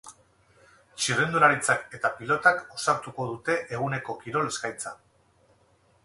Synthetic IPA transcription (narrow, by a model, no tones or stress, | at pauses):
t͡ʃirend̪uɾaɾit͡sake̞t̪apilo̞t̪ako̞saɾt̪uko̞ð̞ut̪e̞ʔeɣ̞une̞ko̞kiɾo̞le̞skajt͡sa